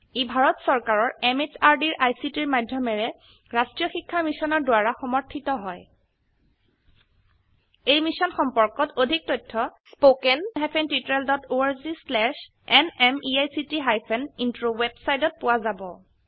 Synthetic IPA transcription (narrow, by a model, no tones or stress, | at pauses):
ibʱaɹɔtsɔɹkaɹɔɹɛmet͡ʃaɹdiɹʔajsitiɹmajdʱjɔmɛɹɛ | ɹastɹijɔxikʰːamisɔnɔɹdʊwaɹaxɔmɔɹtʰitɔɦɔj | ejmisɔnxɔmpɔɹkɔtodʱik̚tɔjtʰːɔspokɛnɦapʰɛntitɔɹɛldɔtoaɹzislɛʃ | ɛnɛmiajsitiɦajpʰɛnintɹowɛbsajtɔt̚pʊwazabɔ̰